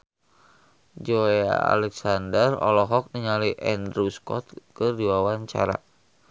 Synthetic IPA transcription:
d͡ʒoea̰a̰lɛksandərɔ̰lɔɦɔk̚niɲaliʔɛndɾuskɔ̰t̪̚kərdiwawaɲt͡ʃa̰ɾa̰

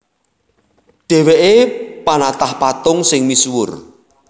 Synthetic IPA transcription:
ɖ̥e̤weʔepanat̪ahpat̪ʊŋsɪŋmiswʊ̰r

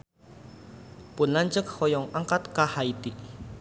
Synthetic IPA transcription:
pʊnlaɲd͡ʒək̚hɔjɔŋaŋkat̪kahait̪iʔ

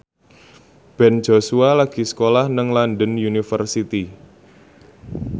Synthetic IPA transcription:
b̥ɛn̥d͡ʒ̥o̤sualaɡ̥i̤sə̥kolahnəŋlandənjunifərsit̪i

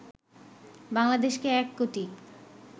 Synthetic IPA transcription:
baŋlad̪eʃkeɛkːoʈi

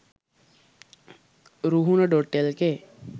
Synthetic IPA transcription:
ɾuɦunəɖoʈːelke

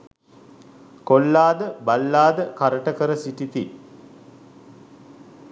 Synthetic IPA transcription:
kolːaːd̪əbalːaːd̪əkaɾəʈəkəɾəsiʈit̪i

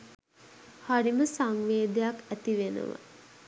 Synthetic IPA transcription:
haɾiməsaŋʋeːd̪ejakæt̪iʋenə̰ʋə̰

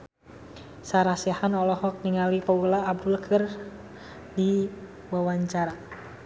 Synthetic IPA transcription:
saɾasiahanɔlɔhɔk̚niŋalipaulaːb̚dulkʰɨr | di | wawaɲt͡ʃaɾa

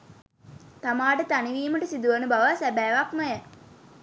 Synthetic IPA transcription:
t̪amaːʈət̪aniʋiːməʈəsid̪uʋənəbaʋasæbæːʋakməjə

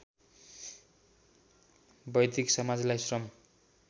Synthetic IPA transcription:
bʌjd̪iksʌmad͡zlajsrʌm

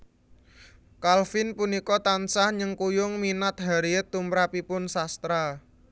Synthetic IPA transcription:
kalfɪnpunikɔt̪ansahɲəŋkujʊŋminat̪̚ɦaɾiət̪ːumɾapipʊnsast̪ɾa

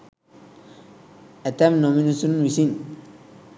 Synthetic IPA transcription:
ɛtamnominusunwisin

